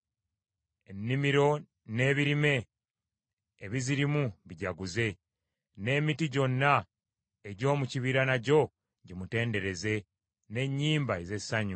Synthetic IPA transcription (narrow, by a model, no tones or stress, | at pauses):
e̞nːimiɾo̞ | ne̞ːβiɾime̞ | βiziɾimuβiɟaɡuze̞ | ne̞ːmitiɟo̞nːa | e̞ɟo̞ːmuciβiɾanaɟo̞ | ɟimute̞ːnde̞ɾe̞ze̞ | ne̞ɲːiːmbaeze̞saɲu